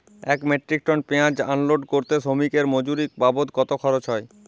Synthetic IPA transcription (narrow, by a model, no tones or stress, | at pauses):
ɛkmeʈɾik̚ʈonpeãd͡ʑanloɖkoɾt̪eʃomikeɾmod͡ʑuɾik̚babot̪̚kɔt̪okʰɔɾot͡ɕɦɔe